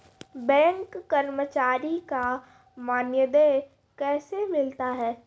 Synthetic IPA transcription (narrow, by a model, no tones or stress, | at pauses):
bɛ̃ːŋkːəɾmət͡ʃaːɾika | maːnjəd̪eː | kɛːsemɪlt̪aɦɛː